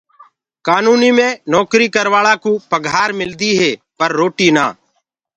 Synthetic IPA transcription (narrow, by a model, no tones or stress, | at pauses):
kaːnuːniːmẽːnɔːkɾiːkəɾʋaːɭaːkuːpəɡʱaːɾmɪld̪iːɦeːpəɾːoːʈiːnaː